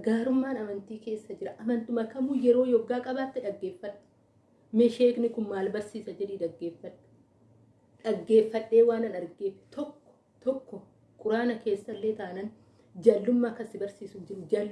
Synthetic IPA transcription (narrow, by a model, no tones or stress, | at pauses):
ɡaːɾʊmːaːnɐmɐnt̪iːke̞ːsːɐd͡ʒɪɾɐʔɐmɐnt̪ʊmɐkɐmuːjɛɾo̞ːjɔɡːaːkʼɐbaːt̪ːɪᶑɐɡːeːfːɐt̪ːʊ̥ | mɛʃeːknɪkʊnmaːlbɐɾsiːsɐd͡ʒɛᶑiːᶑ̪ɐɡːeːfːɐᶑ̥ | ᶑɐɡːe̞ːfːɐᶑːe̞ːwaːnɐnɐɾɡeːfɛ̥t̪ɔkːɔ̥ | t̪ɔkːɔ | kʼʊɾaːnɐke̞ːsːɐlːe̞ːt̪aːnɐn | d͡ʒaːlːʊmːakːɐsɪbɐɾsiːsʊnd͡ʒɪɾʊd͡ʒaːlː